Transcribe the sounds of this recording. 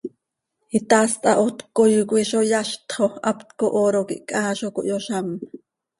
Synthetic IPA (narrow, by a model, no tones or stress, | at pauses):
it̪ast̪ʼɑʔot̪kojukʷiʃojaʃt̪χoʔa̰pt̪koʔoɾokḭʔkʼaːʃoko̰ʔjoʃam